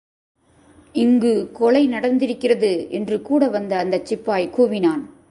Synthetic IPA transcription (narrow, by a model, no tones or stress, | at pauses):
ɪŋɡɯkɔɭɐɪnɐɽɐnd̪ɪɾɯkːɪrɐðɯɛndrɯkuːɽɐʋɐnd̪ɐnd̪ɐt͡ʃːɪpːaːjkuːʋɪnaːn